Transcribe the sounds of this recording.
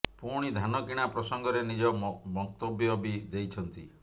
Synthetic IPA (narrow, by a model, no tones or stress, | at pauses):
puɽ̃id̪ʱanɔkiɽ̃apɾɔsɔŋɡɔɾenid͡ʒɔmɔt̪objɔbid̪ejt͡ʃʰɔnt̪ḭ